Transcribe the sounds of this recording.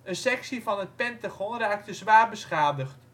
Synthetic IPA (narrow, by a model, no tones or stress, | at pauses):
ənsɛksivɑnət̚pɛntaχɔnraktəzʋaːrbəsχaːdəχt